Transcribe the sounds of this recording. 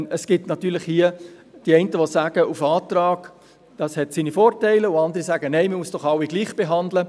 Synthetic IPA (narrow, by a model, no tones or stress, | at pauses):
əsɡ̥ɪtnɑtyːlɪχhiəd̥iɛɪntəʋosæːɡəʔufɑːtrɑːɡ̥ | d̥ɑːshɛtsiːnifoːrtæɪləʊɑndəɾisæːɡənɛɪmɪmuəsd̥ɔχɑwiɡliːχb̥eɦɑndlə